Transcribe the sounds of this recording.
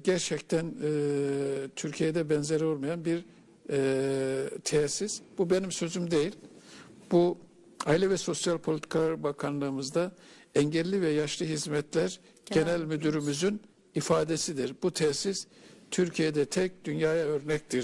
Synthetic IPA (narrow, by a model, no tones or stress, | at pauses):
ɟæɾt͡ʃʰɛct̪ʰænː | t̪ʰyɾcʰijɛd̪ɛbɛnzeɾo̞lˠmajanbiɾ | t̪ʰesisbube̞nimsø̞zymd̪e̞jilʲbu | ajlʲɛvɛso̞sjalʲpʰolʲit̪ʰi̥kʰalˠaɾbakʰanlˠɯːmɯzd̪a | ɛɲɟɛlʲːivɛjaʃlˠɯɦizmɛt̪ʰlʲæɾ | ɟ̥e̞nælʲmyd̪yɾymyzyn | ifaːd̪esid̪iɾbut̪ʰɛsiz | t̪ʰyɾcʰijed̪ɛt̪ʰɛc̚d̪ynjaːjaø̞ɾnɛc̚t̪ʰiɾ